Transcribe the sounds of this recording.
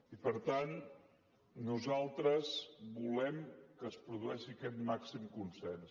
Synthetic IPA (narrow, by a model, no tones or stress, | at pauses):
ipəɾt̪an | nuzalˠt̪ɾəzbulɛmkəːspɾuðuɛʃikɛt̪maksimkunsɛns